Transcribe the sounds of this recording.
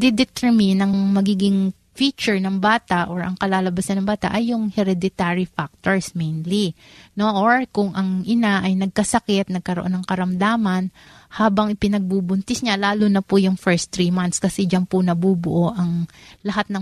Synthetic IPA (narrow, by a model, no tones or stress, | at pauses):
d̪ɪd̪ɛt̪ɛɹmɪnɐŋmɐɡiːɡɪŋ | fiːt͡ʃʊɹnɐŋbaːt̪ɐʔoɹʔɐ̰ŋkɐlaːlɐbɐsɐnːɐŋbaːt̪ɐ̰ʔɐjːʊŋhɛɾɛd̪ɪt̪aɹifak̚t̪oɹsmejnli | no̞ʔoɹkʊŋʔɐŋʔɪnaʔɐjnɐɡ̚kɐsɐkɛt̪̚nɐɡ̚kɐɾoʔo̞nːɐŋkɐɾɐmd̪aːmɐn | haːbɐŋʔɪpɪnɐɡ̚bubʊnt̪ɪsɲalaːlʊnɐpʊjʊŋfɛɹst̪ɾiːmant̪skɐsɛd͡ʒɐnpʊnɐbubʊʔo̞ʔɐŋlɐɦat̪̚nɐŋ